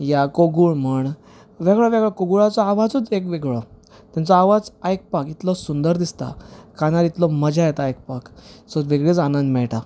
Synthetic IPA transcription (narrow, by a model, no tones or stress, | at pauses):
jakoɡuɭməɳ | ʋeɡɭɔʋeɡɭɔkoɡuɭat͡sɔaʋad͡zət͡sekʋeɡɭɔ | t̪jãnt͡sɔaʋad͡zajk̚pakit̪lɔsund̪əɾd̪ist̪a̰kanaɾit̪lɔməd͡ʑajɛt̪ajek̚paksɔʋeɡɭet͡sanənd̪mɛɭʈa